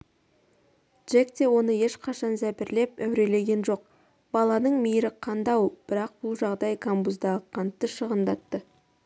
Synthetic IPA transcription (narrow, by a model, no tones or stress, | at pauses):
d̥ʒ̥ek̚t̪e̞wo̞nəje̞ʃqʰɑʃɑnzæpɪɾle̞pæwɾe̞le̞ɡʲe̞nʒo̞q̚ | bɑlˠɑnəɴmijɾɪqʰɑnd̪ɑwb̥ɪɾɑq̚b̥ʊlˠʒɑʁd̪ɑjkʰambuzd̪ɑʁəqʰɑnt̪ːəʃəʁənd̪ɑt̪ːə